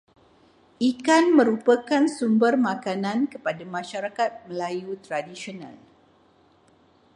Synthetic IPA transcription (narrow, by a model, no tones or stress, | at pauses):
ʔikanmə̃ɾupəkansumbərmãkanãnkəpadamãʃaɾakat̪̚məlajut̪ɾadisionã̰l